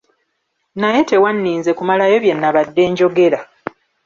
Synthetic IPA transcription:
naje̞te̞wanːiːnze̞kumalajo̞βje̞nːaβadːe̞ːɲɟo̞ɡe̞ɾa

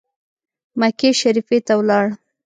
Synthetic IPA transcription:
makeʃaɾifet̪awlɑɽ

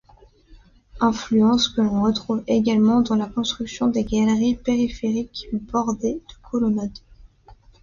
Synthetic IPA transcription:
ɛ̃flyɑ̃skəlɔ̃ʁət̪χuveɡalmɑ̃d̪ɑ̃lakɔ̃st̪χyksjɔ̃d̪eɡʲalʁipeʁifeʁikbɔʁd̪ed̪̥əkʰɔlɔnad̪

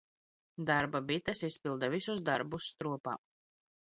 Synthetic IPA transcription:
d̪aɾbabit̪ɛsispilˠd̪avisuzd̪aɾbusːt̪ɾuɔpa̰ː

